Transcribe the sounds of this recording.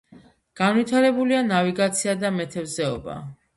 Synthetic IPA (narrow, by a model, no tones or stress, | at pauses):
ɡ̥anvit̪ʰaɾɛbulianaviɡat̪sʰiad̪amɛt̪ʰɛvzɛɔ̰ba̰